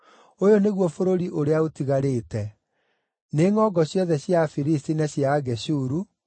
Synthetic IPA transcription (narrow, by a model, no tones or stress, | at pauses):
ojoneɣwɔfoɾoɾiʔoɾeaotiɣaɾeːtɛ | neŋɔɡɔɕjɔðɛɕjafiɾistinaɕjaɣɛɕuːɾu